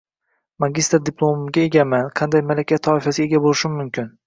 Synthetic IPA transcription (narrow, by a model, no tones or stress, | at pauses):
maɡʲist̪ɾd̪ɪpʰlˠomʊɡʲae̞ɡʲamanqʰɑnd̪ajmalakʲʰat̪ʰɒɪfasɪe̞ɡʲabolɪʃɪmmʊmkʲʰɪn